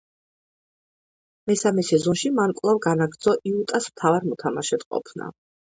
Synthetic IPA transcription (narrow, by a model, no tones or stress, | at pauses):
mɛsamɛsɛzɔnʃimankʼlˠavɡanaɡɾd̪zɔʔiut̪ʼasmt̪ʰavaɾmɔt̪ʰamaʃɛd̪qʼɔ̰pʰna̰